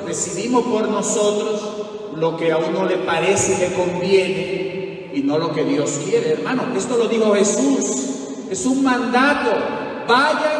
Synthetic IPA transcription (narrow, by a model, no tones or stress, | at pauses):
resiβimo̞spo̞ɾno̞so̞t̪ɾo̞s | lo̞ke̞aunnole̞paɾe̞sele̞ko̞mbje̞ne | ino̞lo̞ke̞ðjo̞skje̞ɾeːɾmanoe̞st̪o̞lo̞ðixoxe̞sus | e̞suŋmãnd̪at̪o̞ | βaʝa